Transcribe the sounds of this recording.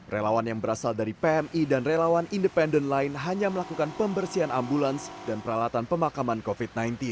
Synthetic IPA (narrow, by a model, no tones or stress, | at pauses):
relawanjaŋbəɾasaldaɾipeɛmidanrelawanindəpɛndənlaɪnɦaɲaməlakukanpəmbərsianambulansdanpəɾalat̪anpəmakamankofit̪̚najnt̪in